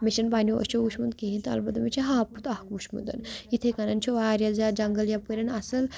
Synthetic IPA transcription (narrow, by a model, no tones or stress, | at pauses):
meʃɐnbaːnoʔɐ̰t͡ʃouʃmund̪̚keɦint̪ɐ̰lbɐd̪ɐmit͡ʃʰiɦaːput̪ɐhkuʃmṵnd̪ɐ̰nit̪ʰekɐnɐnt͡ʃʰoʋaːɾjɐlzaːd͡ʒɐŋɡɐljapəɾʲɐnɐsɐl